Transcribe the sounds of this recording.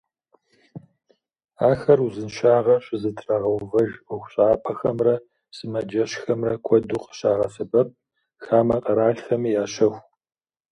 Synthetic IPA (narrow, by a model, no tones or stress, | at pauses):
aːxɐruzɨnʃaːʁɐɕɪzɨtʰraʁɐwvɐʒʊxʷɕʼaːpʼɐxɐmrɐ | sɨmɐd͡ʒɐɕxɐmrɐkʷʰɔduːqə̥ɕaːʁɐsɨbɐp̚ | xaːmɐqʼɐɾaːɬxɐmijaːɕɐxʷ